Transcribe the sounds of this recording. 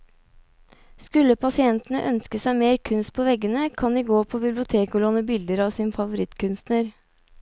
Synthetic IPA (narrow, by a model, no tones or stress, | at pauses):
skʉlːəpʰɑsɪɛnt̪ənə̰ʔœnskəsæɪmeːɾkʰʉnst̪̚pʰoːʋɛɡənəkʰɑnd̪iːɡoːpʰoːbɪblɪʊt̪ʰeːkʊloːnəbɪld̪əɾɑʋsiːnfɑʋʊɾɪt̪kʰʉnst̪nəɾ